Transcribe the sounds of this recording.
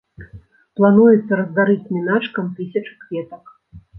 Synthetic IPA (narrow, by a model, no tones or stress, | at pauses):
plˠanujɛt̪sːɐɾɐzd̪aɾɨt͡sʲmʲinat͡ʂkɐmt̪ɨsʲɐt͡ʂɨkvʲɛt̪ɐk